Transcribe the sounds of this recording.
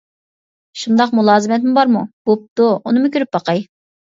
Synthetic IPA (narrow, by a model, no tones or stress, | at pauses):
ʃund̪ɑqmulˠɑːzɨmɛt̪mʊbɑɾmub̥op̚t̪uunɨmʊkʲøɾyp̚bɑqɑj